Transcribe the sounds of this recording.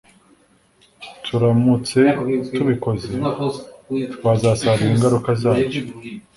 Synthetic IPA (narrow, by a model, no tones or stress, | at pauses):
tʰuɾamut͡se̞tuβiko̞ze | βazasaɾiɾiŋɡaɾukazaːβoo